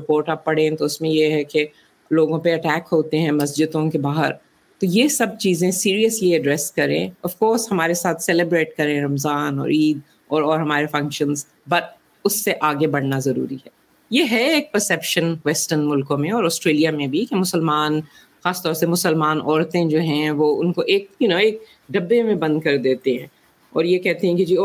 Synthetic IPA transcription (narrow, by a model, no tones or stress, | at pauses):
ɪpoːɾʈab̚pːɐɽ̤ẽt̪oʊsmẽjeɦɛke | loːɡõpeɐʈɛːkɦoːt̪eɦɛ̃mɐsd͡ʒɪd̪õkebaːɦə̰ɾ | t̪ojesɐb̚t͡ʃiːzẽsiːɾiəsliɐɖɾɛːskɐɾḛ̃ːɐfkoːɾshɐmaːɾesaːt̪ʰsɛlebɾeːʈ̚kɐɾẽɾɐmzaːnɔ̰ːɾiːd̪̚ | ɔːɾɔːɾɦɐmaːɾefɐ̃ŋkʃə̃nz | bɐɾ | ʊsːeʔaːɡebɐɽ̤nazɐɾṵːɾiɦɛː | jeɦɛeːk̚pəɾsɛpʃənʋɛsʈəɾnmʊlkõmẽɔːɾɔːsʈɾeːlijamẽbʱikemʊsəlmaːn | xaːst̪ɔːɾsemʊsəlmaːnʔɔːɾt̪ẽd͡ʒoːɦɛ̃ʋoʊnkoʔeːk̚jʊnõeːk̚ | ɖɐbːemẽbɐ̃nd̪̚kɐɾd̪eːt̪eɦɛ̃ː | ɔ̰ːɾjekɛɦt̪eɦɛ̃kid͡ʒiːoː